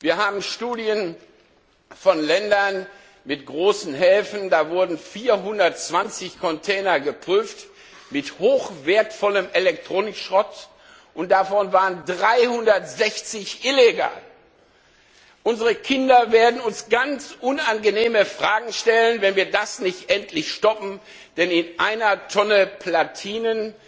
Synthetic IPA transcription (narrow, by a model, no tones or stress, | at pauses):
viːɐhaːbm̩ʃtuːdjən | fɔnlɛndɐn | mɪtɡ̥ʁoːsn̩hɛːfn̩daːvʊɐdn̩fiːɐɦʊndɐtt͡sv̥ant͡sɪçkʰɔntʰɛːnɐɡəpʁ̥yːft | mɪthoːxv̥eːɐtfɔləmʔelɛk̚tʁ̥oːnɪkʃʁɔt | ʔʊnt̚d̥afɔnvaːʁəndʁaɪhʊndɐtz̥ɛçt͡sɪçʔɪleɡa̰ːl | ʔʊnzəʁəkʰɪndɐveːɐdn̩ʊnsɡ̥ant͡sʔʊnanɡəneːməfʁ̥aːɡŋ̩ʃtɛlənvɛnviːɐdasnɪçtʔɛntʰlɪçʃtɔpm̩ | d̥ɛnɪnʔaɪnɐtʰɔnəpʰlatʰiːnən